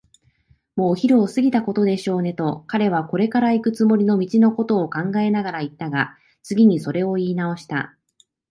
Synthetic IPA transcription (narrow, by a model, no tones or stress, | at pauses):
mo̞ːçiɾɯ̟osɨɡʲit̪ako̞t̪o̞d̪e̞ɕo̞ːne̞t̪o̞kaɾe̞β̞ako̞ɾe̞kaɾaikɯ̟t͡sɨmo̞ɾʲino̞mʲit͡ɕino̞ko̞t̪o̞ːkãŋɡae̞naɡaɾait̪ːaɡa | t͡sɨɡʲiɲ̟iso̞ɾe̞o̞iːnao̞ɕi̥t̪a̰